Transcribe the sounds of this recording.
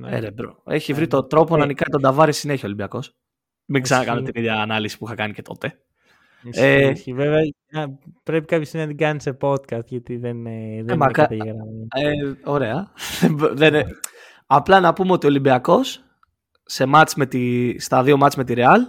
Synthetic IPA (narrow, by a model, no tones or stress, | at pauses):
nḛɾebɾoe̞̰çivɾit̪o̞t̪ɾo̞ponɐnikɐet̪od̪ɐvɐɾesineeçiolimbiɐko̞s | miɡsɐɐɐkɐnot̪iniðʝɐːnɐlisi̥puixɐkɐnice̞t̪o̞t̪e̞ | eiveveɐ | ɐpɾepi̥kɐpçosinɐt̪iɡɐnisepo̞d̪kɐst̪ʝɐt̪iðenðemɐkɐt̪ɐeɣɾɐeo̞ɾe̞ɐðeðene | ɐplɐnɐpumeo̞t̪io̞limbiɐko̞sː | e̞mɐt͡sme̞t̪ist̪ɐðio̞mɐt͡sme̞t̪iɾe̞ɐl